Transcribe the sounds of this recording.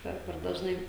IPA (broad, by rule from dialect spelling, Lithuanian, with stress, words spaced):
ˈpʲɛr pʲɛr dɐʒˈnɐɪ